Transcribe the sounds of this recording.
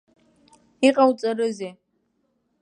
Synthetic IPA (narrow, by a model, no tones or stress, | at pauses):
iqʼawt͡sʼɐɾɨze